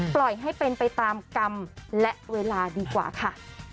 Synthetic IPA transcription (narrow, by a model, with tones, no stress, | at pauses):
plɔ˨˩jɦa˥˩jpe˧npa˧jt̪aː˧mka˧mlɛ˦˥ʔweː˧laː˧diː˧kwa̰ː˨˩kʰa˥˩